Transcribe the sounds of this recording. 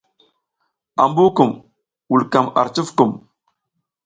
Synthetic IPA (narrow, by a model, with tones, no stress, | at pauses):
a̰˨mbu˦ku˨m | wu˨lka˨ma̰˨ɾt͡ʃi˦fkə˨m